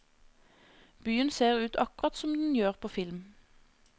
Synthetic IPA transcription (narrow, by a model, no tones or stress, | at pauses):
b̥yːənseːʁʉːt̪ʰɑkʊʁɑt̪sɔmd̪n̩jøːʁpʰoːfɪlm